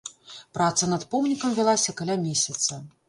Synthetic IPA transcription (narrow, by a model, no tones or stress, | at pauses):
pɾat̪sɐnɐt̪pɔmnʲikɐmvʲalˠasʲɐkalʲamʲesʲɐt̪sɐ